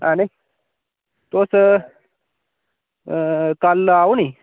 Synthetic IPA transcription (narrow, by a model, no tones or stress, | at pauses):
ane | t̪osə | kalːawni